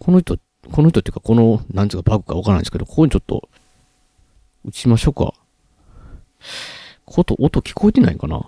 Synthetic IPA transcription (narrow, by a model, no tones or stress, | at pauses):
kʰo̞noçi̥t̪o | kʰo̞no̞çit̪ot̪ːejiɨ̟kako̞nonãnt͡ssɨkabakɯ̟̥kaβakaɾnã̰nd̪sked̪o̞kokoɲit͡ɕo̞t̪ːo̞̰ | ɯ̟t͡ɕiimaɕo̞ka̰ | kʰot̪o̞ʔot̪o̞kʲi̥ko̞et̪e̞na̰ḭkana̰